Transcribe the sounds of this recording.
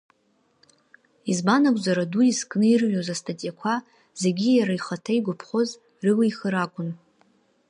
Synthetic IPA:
izbanakʷʼzaɾaduiskʼnɨirɥᶣozastʰatʼijakʷʰa | z̥e̞ɡʲijaɾaiχatʰajɡʷʊpʰχo̞z | rɨlijχəɾakʷʼʊn

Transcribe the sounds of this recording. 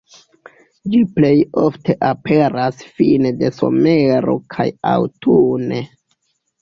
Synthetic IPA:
d͡ʒiple̞jo̞fte̞ʔape̞ɾasfinede̞so̞̰me̞ɾo̞̰kʰaja̰wtʰune

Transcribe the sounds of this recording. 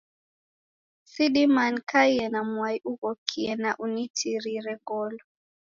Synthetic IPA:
siɗimankʰaiɛnamwaiʔuɣɔkʰiɛnaʔunitʰiɾiɾɛɡɔlɔ

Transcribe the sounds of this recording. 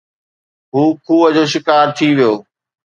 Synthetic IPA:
ɦuːkʰuːəd͡ʑoːʃ̬ɪkaːɾt̪ʰiʋijoː

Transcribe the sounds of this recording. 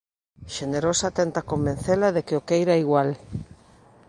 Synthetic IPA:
ʃeneɾosat̪ɛnt̪akombẽnθelaðekeokejɾaiɣwal

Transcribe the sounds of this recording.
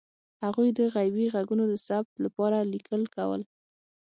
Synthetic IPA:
haɣujd̪əɣajbiɣaɡunod̪əsab̚t̪lapɑɾalikʰəlkawə̰l

